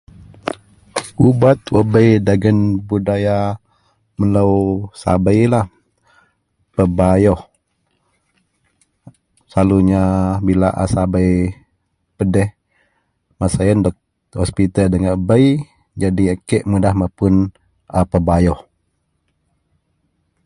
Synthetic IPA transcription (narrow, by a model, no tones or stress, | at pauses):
ʔubat̪wəbəjdaɡənbudaja | mələwsa̰bəjlah | pəbajɔh | saluɲabilaʔa̰sabəj | pədɛh | masajəndɔk̚ | hɔspit̪əldəŋabəj | d͡ʒadiəkeʔmudahmapʊn | apəbajɔh